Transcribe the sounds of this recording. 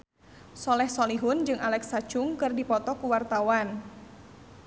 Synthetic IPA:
sɔlɛhsɔliɦʊnd͡ʒɨŋʔalɛksat͡ʃʊŋkɨrdipɔt̪ɔkuwart̪awan

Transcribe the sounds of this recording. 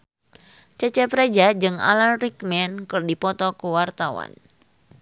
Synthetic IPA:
t͡ʃət͡ʃɛpɾed͡ʒad͡ʒɨŋa̰larikmɛnkɨrdipɔt̪ɔkəwart̪awa̰n

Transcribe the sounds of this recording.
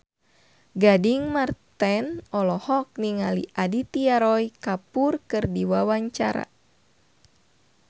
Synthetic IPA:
ɡadiŋmart̪ɛnɔlɔhɔk̚niŋalḭʔadit̪iaɾɔjkapurkɨrdiwawaɲt͡ʃa̰ɾa̰

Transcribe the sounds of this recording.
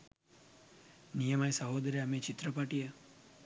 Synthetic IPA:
nijəmajsəɦod̪əɾeamẽt͡ʃit̪ɾəpaʈijə

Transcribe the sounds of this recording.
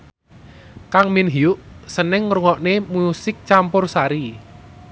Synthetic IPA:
kaŋminɦiʊʔsənɪŋruŋɔʔnemusɪk̚t͡ʃampʊrsaɾi

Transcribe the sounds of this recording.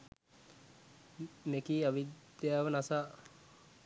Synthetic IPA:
mekiːaʋid̪jaːʋənasaː

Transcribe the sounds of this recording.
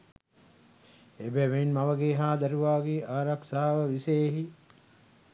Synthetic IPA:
ebɛʋenmaʋəɡeːɦaːd̪æɾuʋaːɡeʔaːɾaksaːaʋəʋiseːɦi

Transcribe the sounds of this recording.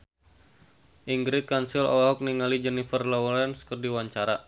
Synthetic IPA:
ʔiŋɡɾikansilɔ̰ɔk̚niŋalid͡ʒɛnifərlɔwlɛnskərdiwaɲt͡ʃaɾa

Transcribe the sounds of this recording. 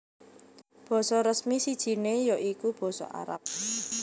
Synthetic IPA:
b̥ɔ̤sɔɾəsmisid̥ʒ̥i̤nejɔʔikub̥ɔ̤sɔ̰ʔa̰ɾa̰p̚

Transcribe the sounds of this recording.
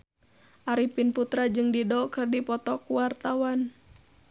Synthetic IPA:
ʔaɾipinput̪ɾad͡ʒɨŋdidɔkɨrdipɔt̪ɔkuwart̪awan

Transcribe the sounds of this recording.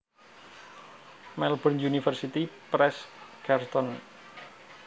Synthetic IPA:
mɛlbənjunifərsit̪ipɾɛskɛrt̪ɔn

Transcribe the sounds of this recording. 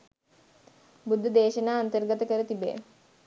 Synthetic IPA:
bud̪ʱːɐd̪eːʃɐnaːnt̪əɾɡət̪əkəɾət̪ibḛː

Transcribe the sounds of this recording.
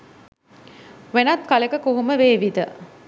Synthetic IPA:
ʋenat̪kaləkəkoɦuməʋeːʋid̪ə

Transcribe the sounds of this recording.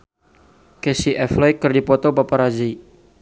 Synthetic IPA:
kesiʔɛflɛjkɨrdipɔt̪ɔbapaɾad͡ʒi

